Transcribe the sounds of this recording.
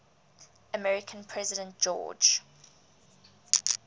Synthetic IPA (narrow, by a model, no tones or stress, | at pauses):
əmɛɹɪkʰə̃npʰɹ̥ɛzɪdə̃nt̚ʒ̥ɔ̰ːd͡ʒ